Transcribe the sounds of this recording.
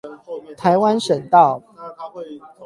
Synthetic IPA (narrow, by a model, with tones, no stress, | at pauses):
t̪ʰa˨˦ɪwa˦nʂə˨˩nt̪ɑ˥˨ʊ